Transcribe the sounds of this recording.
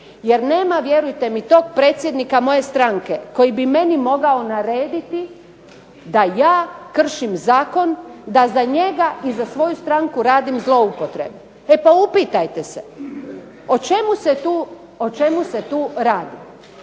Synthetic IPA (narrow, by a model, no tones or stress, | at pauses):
je̞ɾne̞ːmaʋje̞ɾujt̪e̞mit̪o̞ːk̚pɾe̞t̪sʲjed̪nikamo̞je̞st̪ɾaŋke̞ko̞jibime̞nimo̞ɡao̞naɾeːd̪it̪i | d̪ajaːkr̩ʃimzaːko̞nd̪azaɲe̞ɡaizasʋo̞just̪ɾaŋkuɾaːd̪imzlˠo̞upo̞t̪ɾe̞̰be | e̞paupit̪ajt̪ese | o̞t͡ʃe̞muset̪uː | ot͡ʃe̞muset̪uːɾaːd̪i